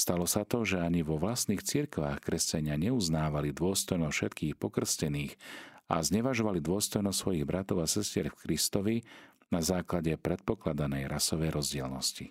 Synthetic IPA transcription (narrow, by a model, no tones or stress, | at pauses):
st̪alɔsat̪ɔʒɛaɲiʋɔʋlast̪niːxt͡siɾkʋaːxkɾɛscaɲɪaɲɛuznaːʋalid̪ʊɔst̪ɔjnɔfʃɛt̪kʰiːxpɔkr̩scɛniːxa̰zɲɛʋaʒɔʋalid̪ʊɔst̪ɔjnɔstsʋɔjiɣbɾat̪ɔʊasɛscɪɛɾfkɾist̪ɔʋi | nazaːklaɟɛpɾɛt̪̚pɔklad̪anɛjɾasɔʋɛjɾɔzɟɪɛlnɔsci